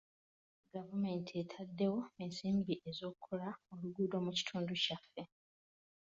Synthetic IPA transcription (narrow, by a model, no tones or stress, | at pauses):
ɡavume̞ːntʰietʰadːe̞wo̞e̞nsiːmbiʔe̞zo̞ːkukʰːolaoluɡuːdo̞ːmuci̥tʰuːnducafːe̞